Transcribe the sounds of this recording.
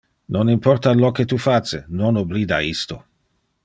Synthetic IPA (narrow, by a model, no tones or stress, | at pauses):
nonimpɔrt̪aloket̪ufat͡ʃːenonobliːd̪a̰ist̪o